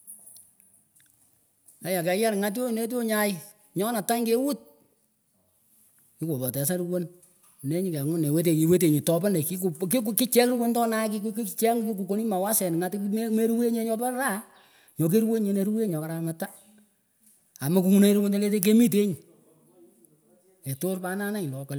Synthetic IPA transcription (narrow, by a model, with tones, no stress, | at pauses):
ka˨˦ja˨kɛ˨ja˦ɾŋa˨˦t̬o˦˨ne˦t̬o˦ɲa˦ɪ˦ | ɲɔ˦na˨ta˦ŋke˦wu˦t̚ | kɪ˦ko˨pɔ˨tɛ˨sa˦ɾu˦wo˦n | ne˦ɲi˦kɛ˨ŋʊ˦ne˨we˦t̬e˨ki˨we˦t̬e˨ɲi˨tɔ˦pɔ˦ne˨ki˦kkkki˦t͡ʃɛ˦kru˦wo˦ntɔ˦na˦ki˦kki˦t͡ʃɛ˦ŋki˦k̬u˨ko˦ni˦ma˨wa˦sɛ˨n˨ŋa˦tme˦ɾu˦we˦ɲe˦ɲɔ˦pa˦ɾa˦ | ɲɔ˨k̬e˦ɾwe˦ɲe˨ne˦ɾu˦we˦ɲɔ˨ka˨ɾa˨ŋata˦ | a˨mo˦ku˨˦ŋu˦ne˦ɾu˦wo˦nte˦le˦t̬e˦k̬e˦mi˦t̬e˦ɲi˨ | e˨to˦rpa˦na˦na˦ŋi˨lɔ˨kɔ˨l